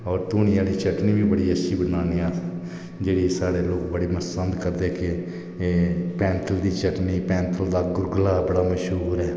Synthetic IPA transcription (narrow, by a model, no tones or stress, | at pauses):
ɔːɾt̪uːnɪjãːliːt͡ʃəʈniːbiːbəɽiːətʃʰiːbənaːneːaː | d͡ʒeːɽiːsaːɽeːloːkbəɽeːməsənd̪kəɾd̪eke | pɛ̃ːnt̪ʰəld̪iːt͡ʃəʈniːpɛ̃ːnt̪ʰəld̪aːɡʊɾɡlaːbəɽaːməʃɦuːɾɦɛː